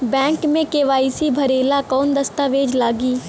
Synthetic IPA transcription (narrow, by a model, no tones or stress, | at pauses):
bɛ̃ːŋkmẽkeːʋaːisibʱɐɾeːlakɔːnd̪ɐst̪aʋeːd͡ʒlaːɡiː